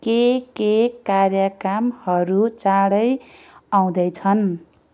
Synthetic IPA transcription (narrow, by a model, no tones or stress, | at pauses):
kekekarjʌkamhʌɾut͡saɽʌj | aw̃d̪ʌjt͡sʰʌn